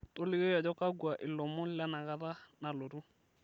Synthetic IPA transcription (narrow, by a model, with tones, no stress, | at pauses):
to˦lɪ˦ɣe˦jɔ˨d͡ʒɔ˦ka˦ɡwa˨ʔɪ˨lɔ˨mʊ˦la˦na˨ɣa˦ða˦na˨lo˨ɾu˦